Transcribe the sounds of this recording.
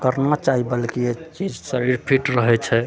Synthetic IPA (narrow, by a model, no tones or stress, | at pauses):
kəɾnat͡ʃaɦibəlkiet͡ʃid͡ʒsəɾiɾpʰiʈɾəɦɛt͡ʃʰɛ